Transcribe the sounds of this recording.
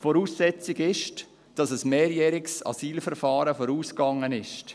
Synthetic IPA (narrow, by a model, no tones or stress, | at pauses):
foːɾuːsːɛt͡sɪɡɪʃt | d̥ɑsəsmeːɾjɛːɾɪksɑ̰siːlfəɾfɑːɾəfoːɾuːskɑŋənɪʃt